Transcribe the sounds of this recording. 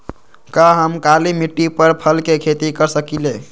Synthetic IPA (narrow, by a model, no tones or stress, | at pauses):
kaɦəmkalimiʈːipəɾpʰəlkekʰet̪ikəɾsəkile